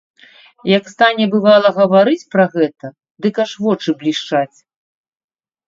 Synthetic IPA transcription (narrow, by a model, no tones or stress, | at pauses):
jɐkst̪anʲɛbɨvalˠɐɣɐvaɾɨt͡sʲpɾɐɣɛt̪ɐ | d̪ɨkaʂvɔt͡ʂɨblʲiʂt͡ʂat͡sʲ